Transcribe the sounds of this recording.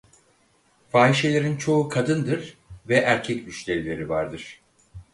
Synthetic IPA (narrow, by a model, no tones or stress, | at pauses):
faːiʃe̞lʲe̞ɾint͡ʃʰo̞ukʰad̪ɯnd̪ɯɾ̥vɛʔæɾcʰɛcmyt͡ʃlʲe̞ɾilʲe̞ɾivaɾd̪ɯɾ̥